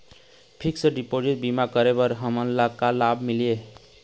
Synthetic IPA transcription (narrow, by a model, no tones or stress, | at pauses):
pʰiksəɖipod͡ʒiʈ̚bimakəɾebəɾɦəmənlakalabmilie